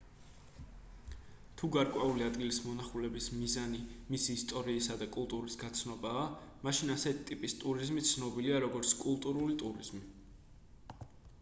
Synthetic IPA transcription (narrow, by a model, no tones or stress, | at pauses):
t̪ʰuɡaɾkʼwɛuliad̪ɡilismɔnaχulɛbismizanimisiːst̪ʼɔɾiːsad̪akʼulˠt̪ʼuɾisɡat̪sʰnɔbaːmaʃinasɛt̪ʰi̥t̪ʼipʼist̪ʼuɾizmit̪sʰnɔbiliaɾɔɡɔɾt̪sʰkʼulˠt̪ʼuɾulit̪ʼuɾiz̥mi